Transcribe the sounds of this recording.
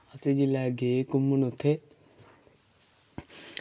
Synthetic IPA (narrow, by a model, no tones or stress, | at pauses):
ased͡ʒilaɡekumːunot̪ʰe